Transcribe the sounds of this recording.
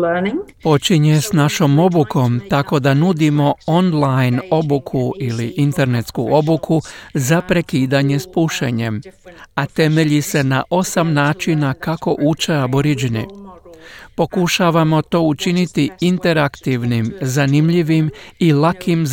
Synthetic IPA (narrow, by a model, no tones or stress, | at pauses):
ənɪŋpo̞t͡ʃiɲesnaʃo̞mo̞buko̞mt̪ako̞d̪anud̪imo̞o̞nlajno̞bukʰuiliʔint̪e̞ɾne̞t̪skuo̞bukʰuzapɾe̞kiːd̪aɲe̞spuʃḛɲe̞mat̪e̞me̞ʎise̞na̰ʔo̞samnaːt͡ʃinakako̞ʔut͡ʃeaboɾid͡ʒinḭ | po̞kuʃaːʋamo̞t̪o̞ːut͡ʃinit̪iint̪e̞ɾakt̪iʋnimzanimʎiʋimilakʰim